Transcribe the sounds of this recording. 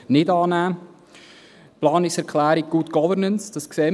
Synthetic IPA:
nɪdɑːnæː | plɑːnɪsɛɾkχlæːɾiɡ̚ɡ̥uːtɡ̥ɔvəɾnənsd̥ɑskseː

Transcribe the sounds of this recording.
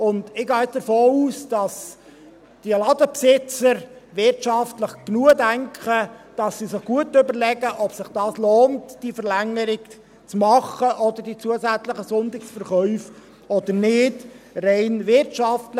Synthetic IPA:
ʊndɪɡɑːɛd̥əɾfoːuːsd̥ɑs | d̥iəlɑdəpsɪt͡səɾʋɪɾtʃɑftləχɡ̥nuədæŋkχəd̥ɑsːisɪχɡ̥uətʏbəɾlɛɡəʔɔpsɪχd̥ɑːsloːntd̥ifəɾlæŋːəɾɪk | t͡smɑχəʔɔd̪əɾd̥it͡suəsæt͡slɪχəsʊndɪksfəɾχœʏf | ɔd̪əɾnɪdreɪnʋɪrtʃɑftlə

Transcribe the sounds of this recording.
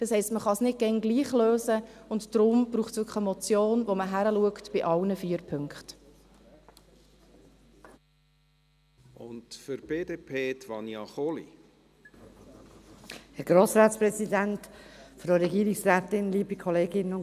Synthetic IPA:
d̥ɑshɛɪstməχɑsnɪt̚ɡ̥ɛnɡliːχløːsəʊntd̥ɾʊmb̥ɾuːχtsʋʏkχəəmɔt͡sjoːnʋoməɦæɾəluəktb̥ɪʔɑwnəfiːəɾpʰʏŋkχt | ʊ̰ntfʏɾb̥eːdeːpʰeːt̪vɑnjɑχolḭ | hɛɡ̥ɾoːsɾaːtspɾɛsidæntfɾəɾɛɡiːɾɪksræːtɪnliːbikʰɔleːɡɪnəʊn

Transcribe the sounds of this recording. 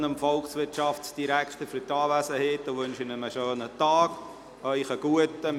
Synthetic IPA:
nəmfɔlksʋɪtʃɑftsd̥iɾækχt̪əfytɑːʋæsəheːtəʋɵnʃɪnəməʃøːnətɑːɡ | œʏχəɡ̥uətə

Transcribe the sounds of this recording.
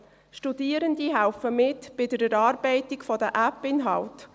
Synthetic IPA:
ʃtudiəɾəndiɦæwfəmɪtb̥ɪdəɾəɾɑːrbɛɪtikfɔdəʔæpɪnɦɑlt

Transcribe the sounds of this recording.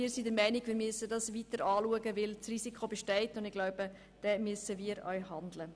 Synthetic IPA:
iːɾsidəɾmɛɪniɡ̥ʋɪːɾmyəsədɑsʋitəɾɑːluəɡəʋɪlsrisikχobɛʃtɛɪtʊndɪɡ̥laʊb̥ə | d̥ɛːmyəsəʋiːɾœ̰ʏɦɑndlə

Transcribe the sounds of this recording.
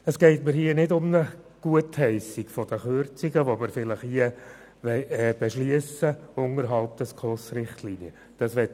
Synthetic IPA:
əsɡ̥ɛɪtməɾhiənɪdʊmnəɡ̥uəthɛɪsiɡfɔd̥əχøɾt͡siɡəʋoməɾfɪləχhiə | ʋɛɪɛːb̥eʃliəsəʊŋəɾɦɑlp̚d̥ɛskʰɔsɾɪχtʰliːniə | d̥ɑsʋɛt

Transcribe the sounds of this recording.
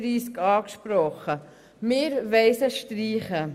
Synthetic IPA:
ɾiːskɑːkʃpɾɔχə | mɪːɾʋɛɪsəʃtɾiːχə

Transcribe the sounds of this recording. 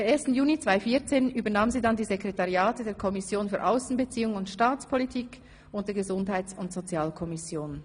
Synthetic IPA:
eːɐeːɐstn̩juːnit͡sv̥aɪfiːɐt͡seːnyːbɐnaːmnziːdandiːzekʁetaʁjaːtɛdeːɐkʰɔmɪsjoːnfyːɐʔaʊsn̩bət͡siːʊŋʊntʃtaːt͡spʰɔlitʰiːk | ʊnt̚d̥eːɐɡəzʊndhaɪtt͡sʊntz̥ot͡sjaːlkʰɔmɪsjoːn

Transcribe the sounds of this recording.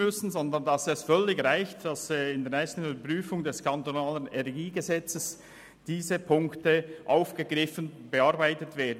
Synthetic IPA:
ʏsn̩zɔndəndɑsɛsfœlːɪçʁaɪçtd̥ɑsɪndeːɐnɛɪstn̩yːbəpʁ̥yːfʊŋdɛskʰɑntonaːlənɛnɛɡiːɡəzɛt͡səs | d̥iːzəpʰʊŋktəʔaʊfɡ̥əɡʁɪfənb̥əɑɾbaɪtətv̥eːɐdn̩

